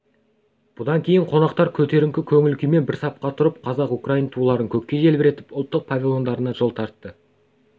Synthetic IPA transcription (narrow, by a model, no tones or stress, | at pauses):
b̥ʊd̪ɑŋkʲʰe̞jɪɴqʰo̞nɑqt̪ɑɾkʲʰɵt̪e̞ɾɪŋkʲɪkʲʰɵŋɪlkʲime̞nbɪɾsɑp̚qɑt̪ʰʊɾəp̚qʰɑzɑqukraijnt̪ʰulˠɑɾəŋkʲʰɵkʲkʲːe̞ʒe̞lbɪɾe̞t̪ɪ̥pʊlˠt̪ːəq̚pʰavʲilˠo̞nd̪ɑɾənɑʒo̞lˠt̪ʰɑɾt̪ːə